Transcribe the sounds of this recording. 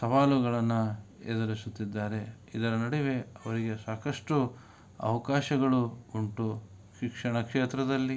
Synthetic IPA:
sɐʋaːluɡɐɭɐnːu | ḛːd̪ɐɾisut̪ːid̪ːaːɾe̞ | id̪ɐɾɐnɐɽiʋe̞ɐʋɐɾiɡe̞saːkɐʂʈu | ɐ̰ʋɐkaːʃɐɡɐɭuuɳʈu | ʃikʂɐɳɐkʂeːt̪ɾɐd̪ɐlːi

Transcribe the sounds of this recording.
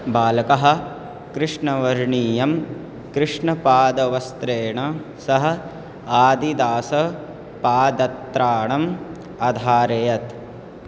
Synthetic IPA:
baːlɐkɐɦɐ̆ | kɾɨʂɳɐʋɐɾɳiːjɐm | kɾɪʂɳɐpaːd̪ɐʋɐst̪ɾeːɳɐ | sɐɦɐ̆ | aːd̪id̪aːsɐ | paːd̪ɐt̪ɾaːɳɐm | ɐd̪ʱaːɾejɐt̪

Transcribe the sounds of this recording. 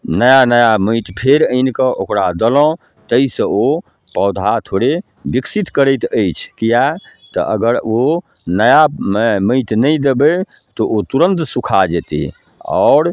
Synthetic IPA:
nəjanəjaməɪt̪pʰeɾənkəʔokɾad̪əlɔ̃ | t̪əisə̃o | pɔʊd̪ʱat̪ʰoɽe | biksit̪kəɾəjt̪əjt͡ʃʰkija | t̪ɔ̰ʔə̰ɡəɾo | nəjamməɪt̪nəjd̪ebə | t̪oʔot̪uɾə̃nt̪sukʰad͡ʒet̪ḭ | ɔ̰ʊɾ

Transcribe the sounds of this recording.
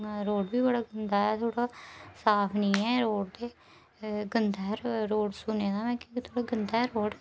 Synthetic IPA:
ɾoːɽbiːbəɽaːɡənd̪aːɛːt̪ʰoːɽaːsaːpʰnĩːɛːɾoːɽd̪eː | ɡənd̪aːɾɾoːɽsʊneːd̪aːmɛ̃ːkt̪ʰoːɽaːɡənd̪aːɾoːɖ

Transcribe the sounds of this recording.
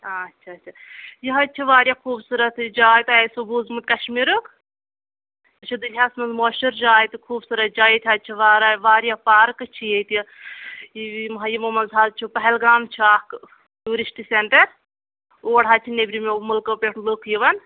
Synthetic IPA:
atːt͡ʃʰaːt͡ʃʰajiɦɐt͡ʃʰiʋaːɾjakʰuːbsuɾɐt̪ʰd͡ʒaːjt̪esobuːzmɨt̪̚ʲkɐʃmiɾuk | t͡ʃʰud̪ulʲjaːsmɐnzmoːʃuɾd͡ʒaːjt̪ikʰuːbsuɾɐt̪̚d͡ʒaːjit̪ʲʰɐt̪̚t͡ʃʰiʋaːɾaʋaːɾʲjapaːɾkɨt͡ʃʰijet̪i | imɐɦɐjimomɐnzaːzt͡ʃʰupɐɦɛlɡaːmt͡ʃʰiaːk | tuːɾisʈiseɳʈɐɾ | oːɽɦaːt͡ʃʰinebɾimemulkɐpʲeʈʰnlokʰjiʋɐn

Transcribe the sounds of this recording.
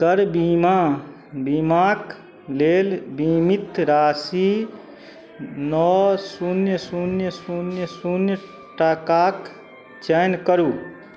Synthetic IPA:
kəɾbima | bimaːk | leːlbimit̪ɾaːsi | nɔsunjəsunjəsunjəsunjə | ʈakaːk | t͡ʃɛnkəɾuː

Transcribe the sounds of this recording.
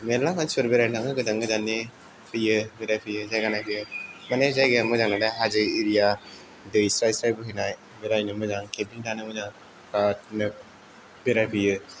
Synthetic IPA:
melakansuɾbeɾajnʰaŋɯɡɯdaŋɡɯd͡ʒanːe | pʰɯjɯbeɾajpʰɯjɯzajɡanajpʰɯjɯmanezajɡɯamɯzanadajɦazɯiɾija | dɯjsɾajsɾajbɯɦɯnaj | beɾajnɯmɯzaŋkʰebiŋtʰanɯmɯzaŋ | kat̚nɯ | beɾajpʰɯjɯ

